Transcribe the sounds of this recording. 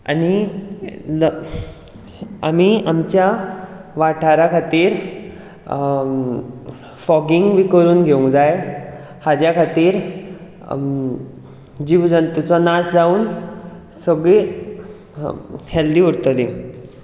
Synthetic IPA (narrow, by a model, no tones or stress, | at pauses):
a̰ni | am̤iamt͡ɕjaʋaʈʰaɾakʰat̪iːɾ | fɔɡiŋɡʋikəɾuːnɡʱeũd͡zaj | had͡ʑjakʰat̪iːɾ | d͡ʑiʋd͡zənt̪ut͡sɔnasd͡zauːn | səɡɭe | held̪iːuɾt̪əli